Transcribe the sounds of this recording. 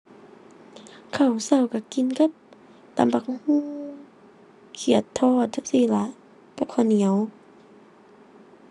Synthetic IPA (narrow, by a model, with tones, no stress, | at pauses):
kʰa˧˩˨wsa˧˩wka˧˩ki˧˨nka˧˥˦p̚ | t̪a̰˨˦mpa˧˩k̚huː˧˥˨ | kʰi˧˩ət̪ʰːɔː˧˩t̪̚a˧˦p̚siː˧˩la˧˦ʔ | ka˧˦p̚kʰɔ˧˩ni˨˦ə˦w